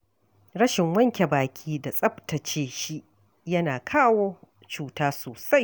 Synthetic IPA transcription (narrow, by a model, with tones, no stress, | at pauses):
ɽɐ˦ʃɪ˨ŋwɐ˦ŋkʲe˨baː˨kʲʰiː˦da˨sʼɐ˦ptɐ˨t͡ʃeː˦ʃi˦ | jɐ˦naː˨kʰaː˦woː˦ | t͡ʃuː˦taː˦soː˨sa˦j